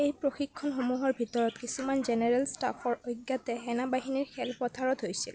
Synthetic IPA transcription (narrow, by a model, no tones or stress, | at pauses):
ejpɹoxikʰːɔnxomuɦɔɹbʱitɔɹɔtkisumanzenɛɹɛlsta̰fʰɔɹojɡːatɛɦɛnabaɦiniɹxʰɛlpɔtʰaɹɔtɦojsil